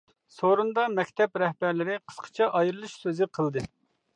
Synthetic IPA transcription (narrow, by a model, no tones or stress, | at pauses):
soɾund̪ɑmɛkʲt̪ʰɛpɾɛhbæɾlɪɾɪqʰə̥sqʰə̥t͡ʃʰɛʔɑjɾɨlˠɨʃsøzɪqʰəlˠd̪ɨ